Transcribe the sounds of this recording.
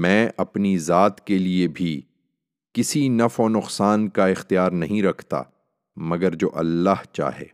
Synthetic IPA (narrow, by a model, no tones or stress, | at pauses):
mɛ̃ːʔɐpnizaːt̪keliebʱi | kɪsinɐfoːnʊqsaːnkaɪxt̪ijaːɾnɐɦĩɾɐkʰt̪a̰ː | mɐɡəɾd͡ʒoːʔɐlːaːht͡ʃa̰ːɦḛː